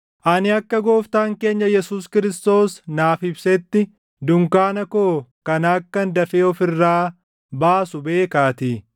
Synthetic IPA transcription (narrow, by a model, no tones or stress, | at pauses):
ʔɐnɪɐkːɐɡo̞ːft̪aːŋke̞ːɲːɐjɛsuːskɪɾɪst̪o̞ːsnaːfɪbsɛt̪ːɪ | d̪ʊŋkaːnɐko̞ːkɐnaːkːɐnd̪ɐfeːɔfɪrːaː | baːsʊbe̞ːkaːt̪ɪ